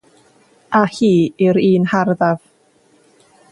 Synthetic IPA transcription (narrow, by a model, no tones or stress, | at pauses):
ahiːɪɾiːnharðav